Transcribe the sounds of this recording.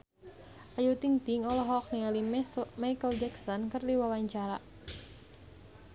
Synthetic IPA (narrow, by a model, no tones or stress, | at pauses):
ʔajut̪iŋt̪iŋɔlɔɦɔk̚nialimajkəld͡ʒɛksɔnkərd̪iwawaɲt͡ʃaɾa